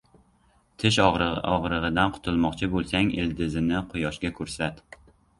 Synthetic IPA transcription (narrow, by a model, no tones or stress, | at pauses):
t̪ʰɪʃɒʁɒʁɾɨʁɨd̪anqʰʊ̥t̪ʰʊlˠmɒqt͡ʃʰɪbolˠsaŋɪ̰ld̪ɪzɪnɪqʰʊjɒʃɡʲakʰɵɾsat̪